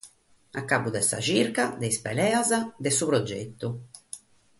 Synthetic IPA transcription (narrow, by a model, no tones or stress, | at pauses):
akːabud̪ɛsa̰t͡ʃiɾkad̪ɛispɛlɛːazad̪ɛsupɾɔd͡ʒḛt̪ːu